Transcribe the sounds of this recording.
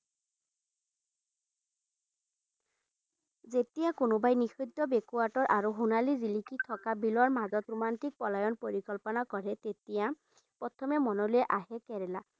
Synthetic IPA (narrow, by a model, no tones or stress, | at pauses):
zet̪ijakunubajnixujd̪ːɔbekuaʈɔɹʔaɾuɦunalizilikit̪ʰɔkabilɔɹmazɔt̪ɾumant̪ik̚pɔlajɔnpoɾikɔlpɔnakɔɹet̪et̪ija | pɔt̪ʰɔmemɔnolueʔaɦekeɾela